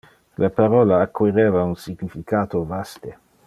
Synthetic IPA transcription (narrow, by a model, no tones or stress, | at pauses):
lʔapaɾɔːlaːkːwiɾeːvaunsiɡnifikaːt̪ovast̪e